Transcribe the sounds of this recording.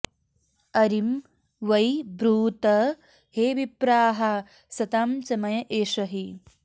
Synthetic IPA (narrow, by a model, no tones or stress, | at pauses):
ɐɾim | ʋɐjbɾuːt̪ɐ | heːʋipɾaːɦa | sɐt̪aːmt͡ʃɐmɐjɐʔeːʃɐɦi